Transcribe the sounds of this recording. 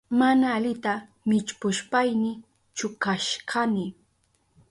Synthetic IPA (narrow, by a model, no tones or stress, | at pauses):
manaːʎɪt̪a | mɪt͡ʃpʊʃpajnɪ | t͡ʃʊkaʃɢɑnɪ